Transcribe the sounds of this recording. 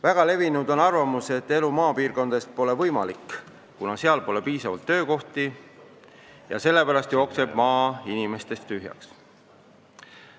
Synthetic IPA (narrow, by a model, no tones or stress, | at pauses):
væɡ̥ɑle̞vinud̪o̞nɑrvɑmuse̞t̪ːe̞lumɑːpiːrko̞nd̪est̪̚po̞le̞vɤ̞jmɑlikː | kːunɑse̞ɑlpo̞le̞piːsɑvɑ̰lt̪ːø̞ːko̞ht̪i | jɑ̰se̞lːe̞pæɾɑst̪jo̞ːkse̞b̥mɑːinime̞st̪e̞st̪ːyɦjɑ̰ks